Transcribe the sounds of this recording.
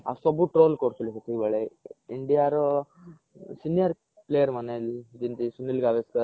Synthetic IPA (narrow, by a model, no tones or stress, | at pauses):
a̰sɔbuːʈɾolkoɽt̪uliket̪ʰiʋeɭeiɳɖijaɾ | sinijəɾ | plejəɾməneld͡ʑ̪int̪isunilɡaʋeskəɾ